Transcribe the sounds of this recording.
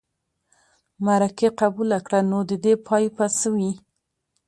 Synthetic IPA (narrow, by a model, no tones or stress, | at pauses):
maɾakeqabulakɽanod̪əd̪epʰɑjpasəwi